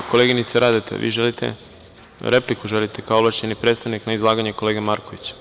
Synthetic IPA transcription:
ko̞leɡinit̪seɾaːd̪et̪ʰḛʋʔḭːʒelit̪ḛ | ɾeplikuʒelit̪ekaooblˠaʃenipɾet̪st̪aʋniknaizlˠaːɡaɲeko̞le̞ːɡamaɾko̞ʋit͡ɕḁ

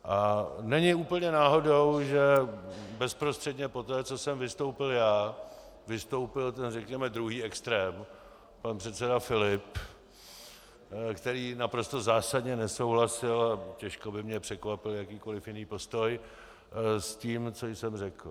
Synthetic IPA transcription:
ʔanɛɲɪuːpl̩ɲɛnaːɦo̞do̞wʒɛbɛspɾost̪r̥ɛdɲɛpo̞t̪ɛːt͡so̞sɛmvɪst̪o̞wpɪljaː | vɪst̪o̞wpɪlt̪ɛnrɛkɲɛmɛd̪ɾuɦiːɛkst̪ɾɛːm | panpr̥ɛt̪sɛdafɪlɪp | kt̪ɛɾiːnapɾo̞st̪o̞zaːsadɲɛnɛso̞wɦlasɪlacɛʃkobɪmɲɛpr̝̥ɛkvapɪljakiːko̞lɪfjɪniːpo̞st̪o̞j | sciːmt͡sojsɛmrɛkl

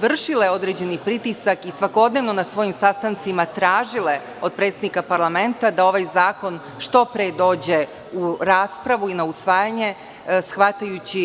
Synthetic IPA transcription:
ʋr̩ʃileo̞d̪ɾed͡ʑe̞nipɾit̪isakisʋako̞d̪neʋno̞nasʋo̞jimsast̪ant̪simat̪ɾaːʒile̞ | od̪̚pɾet̪ed̪nikapaɾlˠame̞nt̪ad̪ao̞ʋajzaːko̞n | ʃt̪o̞pɾed̪o̞ːd͡ʑe̞ | uɾaːspɾaʋuinausʋaːjaɲe̞ | sxʋat̪ajut͡ɕi

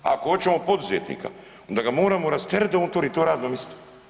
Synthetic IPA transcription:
a̰koot͡ʃɛmopod̪uzɛt̪nḭka̰ | ond̪aɡamoːɾamoɾast̪ɛɾd̪amot̪oɾit̪oɾad̪nomist̪ɛ̥

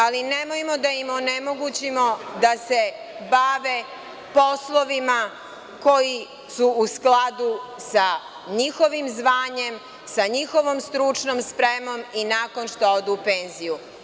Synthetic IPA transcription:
alinemojmo̞d̪aimonemo̞ɡut͡ɕimo̞d̪ase | baʋe | po̞slˠoʋima | ko̞ji | suusklad̪usa | ɲixo̞ʋimzʋaːɲe̞m | saɲixo̞ʋomst̪ɾut͡ʂnoːmspɾemo̞minaːko̞nʃt̪ood̪uːpeːnziju

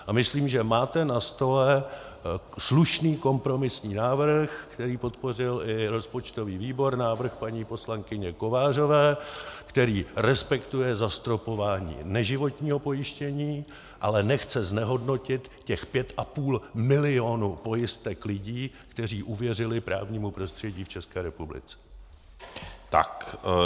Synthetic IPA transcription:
amɪsliːmʒɛmaːt̪ɛnast̪o̞lɛ | sluʃniːko̞mpɾo̞mɪsɲiːnaːvr̩xkt̪ɛɾiːpo̞t̪po̞rɪlɪɾo̞spo̞t͡ʃt̪o̞viːviːbo̞ɾnaːvr̩xpaɲiːpo̞slaŋkɪɲɛko̞vaːr̝o̞vɛːkt̪ɛɾiːɾɛspɛkt̪ujɛzast̪ɾo̞po̞vaːɲḭːnɛʒɪvo̞t̪ɲiːɦo̞po̞jɪʃcɛɲiː | ʔalɛnɛxt͡sɛznɛɦo̞dno̞cɪt̪cɛxpjɛt̪ʔapuːlmɪlɪo̞nupo̞jɪst̪ɛklɪɟiː | kt̪ɛr̝iːʔuvjɛrɪlɪpɾʔa̰ːvɲiːmupɾo̞st̪r̝̥ɛɟiːft͡ʃɛskɛːɾɛpublɪ̰t͡sɛ̥ | t̪a̰k

